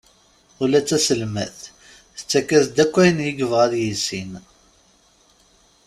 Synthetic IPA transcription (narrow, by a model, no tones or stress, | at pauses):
ulæt͡sːæsəlmæθ | θə̥t͡sːækːæsd̪ækʷːæjənjəɡəvʁæðjisin